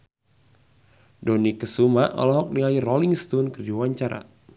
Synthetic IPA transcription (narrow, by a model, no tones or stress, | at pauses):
dɔnikəsumaʔɔ̰lɔɦɔk̚niairɔliŋst̪unkərdiwaɲt͡ʃaɾa̰